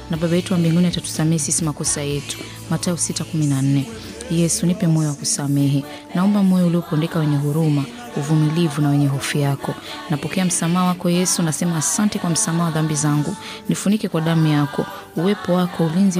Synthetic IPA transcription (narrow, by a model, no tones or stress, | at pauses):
naɓabajɛtuwambiŋɡuniatatu̥samɛhɛsisimakɔsajɛtu̥ | matausitakuminan̩nɛ | jɛsunipɛmɔjɔwakusamɛɦɛ | naɔmbamɔjɔuliɔpɛndɛkawɛɲɛɦuɾuma | uvumilivunawɛɲɛɦɔfijakɔ | napɔkɛam̩samaːwakɔjɛsunasɛmaːsantɛkwam̩samaːwaðambizaŋɡu | nifunikɛkwaɗamujakɔ | uwɛpɔwakɔulinzi